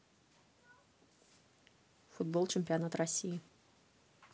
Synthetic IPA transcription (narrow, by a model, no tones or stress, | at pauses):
fud̪̚bolˠt͡ɕɪmʲpʲɪanat̪rɐsʲiji